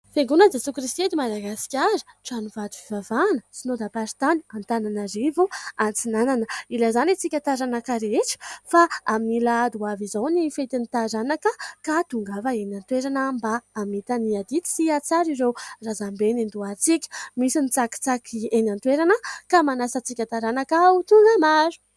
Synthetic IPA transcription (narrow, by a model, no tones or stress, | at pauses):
feŋɡunəd͡zesukɾist̪ied̪imad̪aɡasi̥kʲaɾʈ͡ʂanuvad̪ufivavanət͡sinod̪apaɾit̪aniant̪ananaɾivuant͡sinananəilazanet͡sikʲat̪aɾanakaɾeʈ͡ʂi̥faaminilad̪uavizawnifet̪init̪aɾanakəkat̪uŋɡavəenant̪weɾanəmbaːmit̪aniad̪it̪i̥siat͡saɾiɾerazambenind̪uat͡sikʲə̥misinit͡saki̥t͡sakʰienant̪weɾanəkamanasət͡sikʲat̪aɾanakaut̪uŋɡəmaɾu̥